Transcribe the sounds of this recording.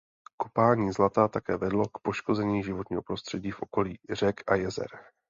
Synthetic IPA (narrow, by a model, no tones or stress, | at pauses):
ko̞paːɲiːzlat̪aːt̪akɛːvɛdlo̞kpo̞ʃko̞zɛɲiːʒɪvo̞t̪ɲiːɦo̞pɾo̞st̪r̥ɛɟiːfʔo̞ko̞liːr̝ɛkʔajɛzɛ̰ɾ